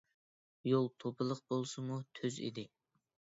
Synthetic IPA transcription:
jolˠt̪ʰopʰɨlˠəq̚bolˠsɨmut̪ʰøzḭd̪ɪ

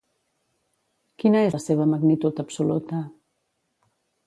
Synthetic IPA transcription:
kinəeseβ̞əməɡnit̪ut̪əpsulut̪ə

